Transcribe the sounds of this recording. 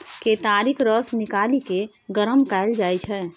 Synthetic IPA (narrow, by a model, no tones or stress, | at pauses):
ket̪aːɾikʰɾəsnɪkaːlike | ɡəɾəmkaɪld͡ʒaːjt͡ʃʰɛː